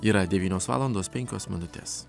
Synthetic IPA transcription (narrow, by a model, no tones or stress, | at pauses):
iːɾɐd̪ʲɛʋʲiːnʲoːsʋɑ̰ːlˠɐnd̪oːspʲɛŋʲkʲoːsmʲɪnʊt̪ʲḛːs